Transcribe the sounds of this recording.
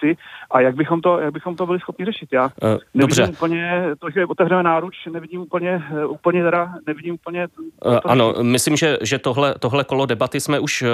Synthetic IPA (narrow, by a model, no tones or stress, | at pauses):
t̪ɪʔajaɡ̚bɪxomt̪o̞jaɡ̚bɪxomt̪obɪlɪsxopɲɪrɛʃɪt̪jaːnɛdoɪbrɛimuːpl̩ɲɛt̪oʒɛʔot̪ɛvrɛmɛnaːɾut͡ʃnɛvɪɟiːmʔupl̩ɲɛuːpl̩ɲɛt̪ɛɾanɛvɪɟiːmupl̩ɲɛʔt̪ano̞̰mɪslimʒɛʒɛt̪oɦlɛt̪oɦlɛko̞lodɛbat̪ɪsmɛʔuʃ